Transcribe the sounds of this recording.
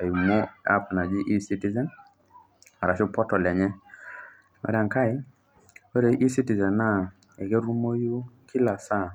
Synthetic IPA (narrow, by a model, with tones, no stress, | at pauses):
a˨u˨mo˦a̰˦pna˨d͡ʒi˦ʔi˦si˦ti˦zɛ˦n | a˨ɾa˨ʃo˦pɔ˦tɔ˨lɛ˨ɲɛ˦ | ma̰˨ɾa˨ŋka˦ɪ˦ | o˦ɾe˨ʔi˦si˦ti˨zɛ˨na˦ | ɛ˨ke˦ɾu˦mo˦ju˦kʰi˦la˨sa˦˨